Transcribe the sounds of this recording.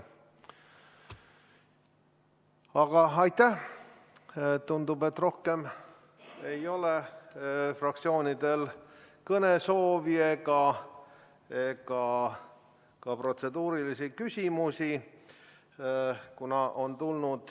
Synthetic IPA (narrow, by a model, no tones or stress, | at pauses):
ɑɡ̥ɑɑjt̪ːæ | t̪und̪ube̞t̪ːro̞hke̞m | e̞jo̞le̞ | frɑk̚t̪sio̞ːnʲid̪e̞lkɤne̞so̞ːvieɡɑ | eɡɑ | kɑpro̞t̪se̞d̪uːɾilisikysʲimusi | kunɑʔo̞nt̪ulnud̪̥